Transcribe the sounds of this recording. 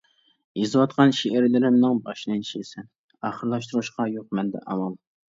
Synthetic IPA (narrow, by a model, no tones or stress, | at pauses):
izɨwɑt̪qʰɑnʃeʔɪɾlɪɾɪmnɨŋbɑʃnɨnt͡ʃʰesɛn | ɑχəɾlˠɑʃt̪uɾuʃqɑjoq̚mɛnd̪ɛ̰ʔɑ̰mɑlˠ